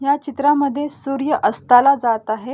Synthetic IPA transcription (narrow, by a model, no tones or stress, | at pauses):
ɦjat͡ɕit̪ɾaməd̪ʱːjesuɾjəʔəst̪alad͡zat̪aɦe